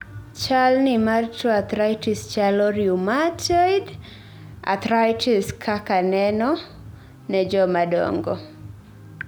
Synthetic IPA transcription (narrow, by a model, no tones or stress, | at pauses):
t͡ʃalnɪmart͡ʃɔat̪ɾajtist͡ʃalɔɾjumatɔd | a̰t̪ɾajtʰiskʰakanɛnɔ | nɛd͡ʒɔmadɔ̰ŋɡɔ